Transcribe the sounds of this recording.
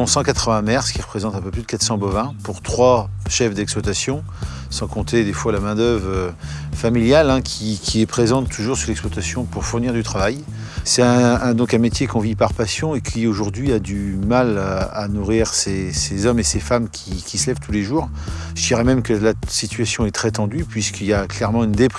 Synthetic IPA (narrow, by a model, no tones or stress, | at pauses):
ɔ̃sɑ̃kat̪χəvɛ̃mɛʁskʲiʁəpχezɑ̃t̪ɛ̃pøplyd̪əkat̪sɑ̃bɔvɛ̃puʁt̪χwaʃɛfd̪ɛkspwat̪asjɔ̃ | sɑ̃kɔ̃t̪ed̪efwalamɛ̃d̪œvʁøfamiljalɛ̃kʲʰikʲʰiɛpχezɑ̃t̪ʰːuʒuʁsyʁlɛkspwat̪asjɔ̃puʁfuʁniʁd̪yt̪χavaj | sɛt̪ɛ̃ɛ̃d̪ɔ̃kɛ̃met̪jekɔ̃vipaʁpasjɔ̃ekʰioʒuʁd̪ɥiad̪ymalanuʁiʁsesezɔmesefamkʲʰikʲisəlɛvt̪ʰuleʒuːʁ | ʒ̥əd̪iʁɛmɛmkəlasit̪ɥasjɔ̃ɛt̪χɛt̪ɑ̃d̪ypɥiskilaklɛʁmɑ̃ynd̪ep